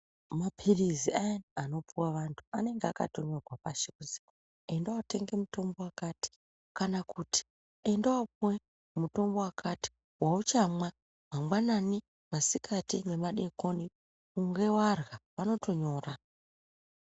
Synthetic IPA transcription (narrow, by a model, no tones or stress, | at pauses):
mapʰiriziajnano̞puwaʋantʰu̥ane̞ŋɡeaka̰to̞ɲo̞rwapaʃikuzi̥a | e̞ndawate̞ŋɡe̞muto̞mbo̞wakati̥ | kanakutʰi̥ | endawapuwe | muto̞mbo̞wakʰati̥ | waut͡ʃamwa | mamwanani | masikʰatine̞maɗe̞ko̞ni | kuŋɡe̞warɣapano̞tʰo̞ɲo̞ːra